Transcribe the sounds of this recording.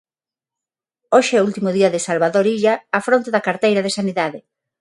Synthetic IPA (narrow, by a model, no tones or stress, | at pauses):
oʃɪɛult̪imʊðiɐðɪsalβaðoɾiʎaːfɾont̪eðɐkaɾt̪ejɾɐðesaniðaðɪ